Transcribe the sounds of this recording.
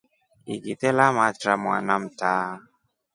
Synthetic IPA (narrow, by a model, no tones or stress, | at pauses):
iɡitɛlamatɾama̰nam̩taː